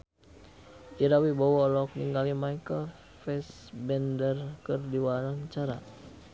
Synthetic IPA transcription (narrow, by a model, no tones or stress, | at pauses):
ʔiɾawibɔwɔlɔk̚niŋɡalimajkəl | fɛsbɛndərkərdiwaɾaŋt͡ʃaɾa